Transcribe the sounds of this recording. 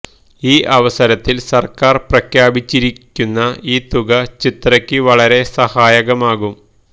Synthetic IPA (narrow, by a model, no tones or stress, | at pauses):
iːʔɐʋɐsɐɾɐt̪ːilsɐrkaːrprɐkʰjaːbit͡ɕːiɾikʲːunːɐiːt̪uɣɐt͡ɕit̪rɐkʲːɨʋɐɭɐɾe̞sɐhaːjɐɣɐmaːɣum